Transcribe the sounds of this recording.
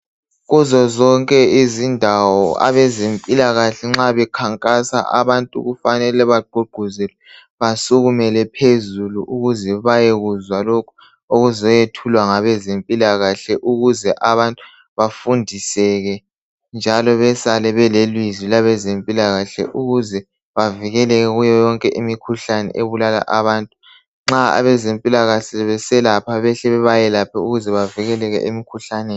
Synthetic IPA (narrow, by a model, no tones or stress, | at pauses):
ɣuzɔzɔŋkʼɛizindʱawɔa̰βɛzempʼilaɣaɬɛŋ͡ǁaβɛkʰaŋkʼasa̰ʔa̰βantʼṵɣufanɛlɛβaɡ͡ǃʱuɡ͡ǃʱuzɛlɛ | βasuɣumɛlɛpʰezuluʔuɣuzɛβajeɣuzwalokʰu | oɣuzɔjetʰulwaŋaβɛzempʼilaɣaɬɛʔuɣuzɛʔaβantʼu | βafundʱisɛɣɛ | nd͡ʒʱalɔβɛsalɛβɛlelwizilaβɛzempʼilaɣaɬɛ̰ʔuɣuzɛ | βaviɣɛlɛɣɛɣujɔjɔŋkʼɛʔimikʰuɬanɛ̰ʔeβulala̰ʔaβaːntʼu̥ | ŋ͡ǁaa̰βɛzempʼilaɣaɬɛβɛsɛlapʰaβɛɬɛβɛβajɛlapʰauɣuzɛβaviɣɛlɛɣɛ̰ʔemikʰuɬanɛː